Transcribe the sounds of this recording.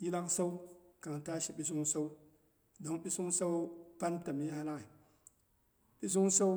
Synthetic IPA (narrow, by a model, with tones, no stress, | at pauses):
ji˦la˦ŋsa˦wka˨ŋta˦ʃi˨ɓi˦s̬u˦ŋsa˦w | do˨ŋɓi˦su˦ŋsa˦wpa˦nta˨mi˦ha˦la˦ŋi˨ | ɓi˦s̬u˦ŋsa˦